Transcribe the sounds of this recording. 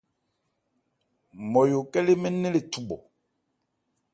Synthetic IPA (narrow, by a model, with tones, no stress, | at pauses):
mɔ˨jo˨kɛ˦le˦mɛ˦ne˦le˨tu˨ɓɔ˨